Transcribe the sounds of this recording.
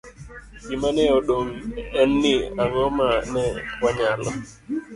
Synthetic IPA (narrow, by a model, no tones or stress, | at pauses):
kimanɛɔɗoŋɛnːɪaŋɔmanɛwaɲalɔ